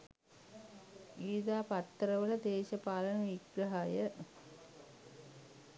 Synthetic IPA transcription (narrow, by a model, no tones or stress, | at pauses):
iːd̪aːpat̪ːəɾəʋələd̪eːɕəpaːlənɐʋiɡɾɐɦajə